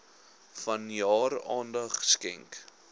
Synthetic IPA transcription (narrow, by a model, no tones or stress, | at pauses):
fɐnjɑːɾɑːndɐχskɛŋk